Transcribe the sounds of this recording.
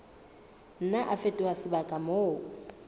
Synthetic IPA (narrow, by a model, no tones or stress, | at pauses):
n̩naʔafetʼɪwasɪbakʼamoː